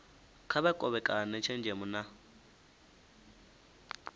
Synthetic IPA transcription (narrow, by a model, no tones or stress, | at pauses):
kʰaβɛkʼɔβɛkʼanɛt͡ʃʰɛnd͡ʒʱɛmʊna